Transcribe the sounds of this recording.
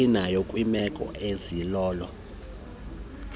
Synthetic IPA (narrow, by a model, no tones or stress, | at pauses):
inajokʼwimɛkʼɔ̰ezilɔːlɔ